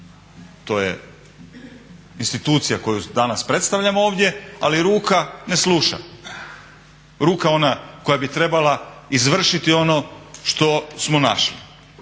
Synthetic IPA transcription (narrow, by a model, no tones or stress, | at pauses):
t̪o̞ːjḛ | inst̪it̪uːt̪sijako̞jud̪anaspɾe̞t̪st̪aʋʎamooːʋd̪ʲje̞aliɾuːkane̞sluʃa̰ | ɾuːkao̞nako̞jabit̪ɾe̞balaizʋr̩ʃit̪io̞no̞ʃt̪o̞smo̞na̰ʃlḭ